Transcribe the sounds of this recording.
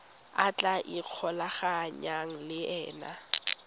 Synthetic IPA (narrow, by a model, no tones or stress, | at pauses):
a̰t͡ɬʼaʔiq͡χʰɔlaχaɲaŋ̩lɪɛ̰ːna̰